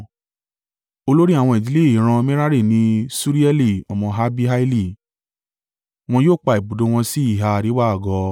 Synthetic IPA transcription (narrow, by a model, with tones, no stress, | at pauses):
o˧lo˦ɾi˦a˨w̃ɔ̃˧i˨d͡ʒi˨le˦˨i˨ɾ̃ã˧mĩ˦ɾa˦ɾi˦˨nĩ˧˦su˦ɾi˦ɛ˦li˦˨ɔ˨mɔ̃˧ɦa˦bi˦ɦa˦i˦li˦˨ | w̃ɔ̃˧joː˦˨k͡pa˧˨i˨bu˨do˨˦w̃ɔ̃˧si˦i˦˨ɦa˧˨ɾi˨˦wa˦˨ɡɔ˧˦